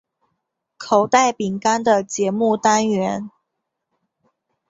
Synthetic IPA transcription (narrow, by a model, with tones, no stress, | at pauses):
kʰo˨˩ʊt̪a˥˩ɪpi˨˩ŋka˥nd̪ə˨t͡ɕjɛ˧˥mu˥˩t̪a˥nɥɛ˧˥n